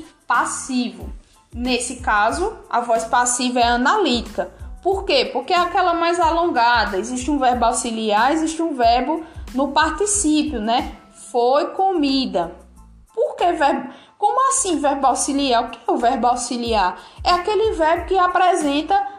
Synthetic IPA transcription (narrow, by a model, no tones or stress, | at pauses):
pasivʊ̰ | nesɪkazʊa̰vɔjspasivɐɛɐ̃nalit̪i̥kɐpoɾkepoɾkeɛakɛlɐmajzalõɡad̪ɐeziʃt̪ɪũvɛɾbawsiliaɾeziʃt̪ɪũvɛɾbʊnʊpaɾt̪isipjʊnɛ | fojkomid̪ɐ | poɾkevɛɾbu | kõmʊasĩvɛɾbawsiliaɾʊkɪ̥ɛʊvɛɾbawsiliaɾɛakelɪvɛɾbʊkɪapɾɛzẽnt̪ɐ